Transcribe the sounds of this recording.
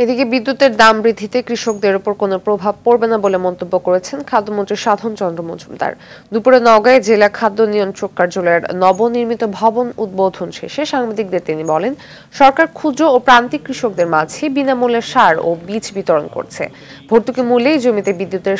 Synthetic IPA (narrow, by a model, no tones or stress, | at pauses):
ed̪ikebid̪ːut̪eɾd̪ambɾid̪ʱit̪ekɾiʃok̚d̪eɾopoɾkonopɾobʱab̚koɾbenabolemɔnt̪obːokoɾet͡ɕʰenkʰad̪ːomont̪ɾiɾʃad̪ʱont͡ɕɔnd̪ɾomo̰d͡ʑʱumd̪a̰ɾ | d̪upuɾenɔɡaed͡ʑelakʰad̪ːonijonʃokːaɾd͡ʑolɔeɾnɔboniɾmit̪obʱɔbonud̪̚bod̪ʱonʃḛʃeʃaŋbad̪ik̚d̪eɾt̪inibɔlen | ʃɔɾkaɾkʰud͡ʑoːpɾant̪ikɾiʃok̚d̪eɾmad͡ʑʱebinamuleʃaɾo̰bit͡ɕʰbit̪oɾonko̰ɾt͡ɕʰḛ | bʱoɾt̪ukemulejd͡ʑomit̪ebid̪ːut̪eɾ